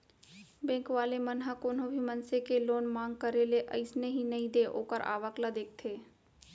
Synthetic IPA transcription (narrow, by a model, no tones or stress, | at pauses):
bɛ̃ːŋkʋaːlemənɦakoːnɦõbʱimənsekeloːnmãːŋɡ̚kəɾeleʔə̰ɪsneɦinɐɦĩd̪eʔo̰ːkəɾʔa̰ːʋəklad̪eːk̚ʰt̪ʰeː